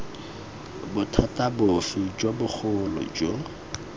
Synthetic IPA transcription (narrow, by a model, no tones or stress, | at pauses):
bʊtʰatabʊfid͡ʒwabʊk͡xʰʊlɔ̰d͡ʒo